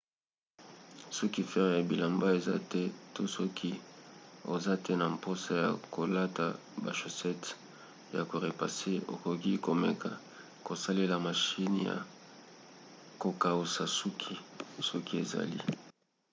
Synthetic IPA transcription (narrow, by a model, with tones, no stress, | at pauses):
sɔ˦ki˦fɛ˦ʁja˨bi˨la˨mba˦e˨za̰˦tɛ˦to˦sɔ˦kʰi˦ | o̰˨za˦tɛ˦na˨mpo˦sa˦ja̰˨ko˨la˦ta˨ | ba̰˨ʃo˨sɛ˦t | ja̰˨ko˨ʁe˨pa˨se˦o̰˨ko˨ki˦ko˨me˨ka̰˨ | ko˨sa˦le˦la˨ma˨ʃi˦n˨ja̰˨ | ko˨ka˨o˨sa˨su˦kʰi˦sɔ˦ki˦ḛ˨za̰˨lḭ˦